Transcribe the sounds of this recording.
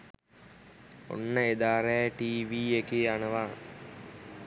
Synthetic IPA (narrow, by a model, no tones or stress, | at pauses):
o̰nːəed̪aːɾɛːʈiːʋiːekeːanəʋa̰ː